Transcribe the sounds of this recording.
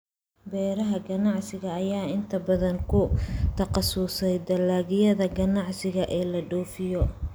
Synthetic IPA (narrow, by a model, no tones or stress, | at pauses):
bɛːɾɐɦɐɡɐnɑʕsɪɣɐːjaːɪnt̪ʰɐbɐðɐnkʰʊt̪ʰɐqɑsuːsɛjd̪ɐlːaːɣɪjɐðɐɡɐnɑʕsɪɣɐʔɛːlɐɖɔːfɪjɔ